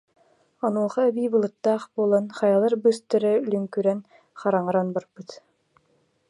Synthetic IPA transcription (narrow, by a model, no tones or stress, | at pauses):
ɔnuɔχaɛbiːbɯlˠɯt̪ːaːχbuːlˠanχɑjalˠɯɾbɯst̪œɾɛlyŋkyɾɛn | χaɾaŋɯɾanbaɾbɯt̪